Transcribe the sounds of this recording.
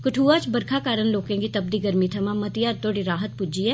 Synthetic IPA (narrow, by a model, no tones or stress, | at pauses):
kəʈʰuːaːt͡ʃbəɾkʰaːkaːɾənloːkẽɡit̪əb̚d̪iːɡəɾmit̪ʰəmãmət̪ɪjaːɾt̪oːɽiɾaːɦət̪̚pʊd͡ʒiɛː